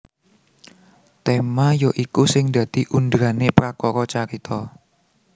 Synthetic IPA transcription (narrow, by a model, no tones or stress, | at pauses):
t̪emajoʔikusɪŋd̪ä̤d̪̥i̤ʔund̪ɾanepɾakɔkɔt͡ʃaɾit̪ʰɔ